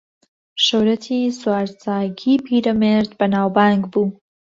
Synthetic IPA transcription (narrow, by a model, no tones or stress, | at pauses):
ʃəwɾɐt̪ʰiːswaːɾt͡saːɡiːpʰiːɾɐmeɾd̪bɐnaːwbaːŋɡbuː